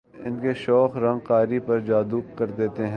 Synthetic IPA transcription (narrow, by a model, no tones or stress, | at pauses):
ɪnkeʃɔːxɾɐ̃ŋɡqaːɾipɐɾd͡ʒaːd̪uːp̚kɐɾd̪eːt̪eɦɛ̃